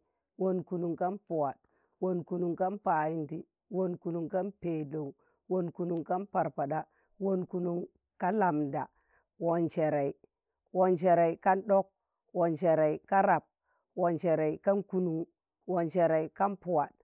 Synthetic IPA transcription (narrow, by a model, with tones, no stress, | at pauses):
wo˦nku˨nu˨ŋka˦npu˨wa˨d̚ | wo˦nku˨nu˨ŋka˦npa˨ji˦nti˦ | wo˦nku˨nu˨ŋka˦npe˨do˨u˨ | wo˦nku˨nu˨ŋka˦npa˨ɾpa˨da˦ | wo˦nku˨nu˦ŋ | ka˦la˨mda˨ | wo˨nt͡ʃe˨ɾa˨i˨ | wo˨nt͡ʃe˨ɾa˨i˨ka˦nɗo˦k̚ | wo˨nt͡ʃe˨ɾa˨i˨ka˦ɾa˨p̚ | wo˨nt͡ʃe˨ɾe˨i˨ka˦nku˦nu˨ŋ˦ | wo˨nt͡ʃe˨ɾa˨i˨ka˦npu˨wa˨d̚